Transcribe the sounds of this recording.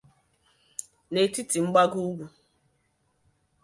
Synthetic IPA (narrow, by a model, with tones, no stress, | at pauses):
ne˨ti˦ti˨ŋ͡m̩˦ɡ͡ba˦ɡu˦ɡʷu˨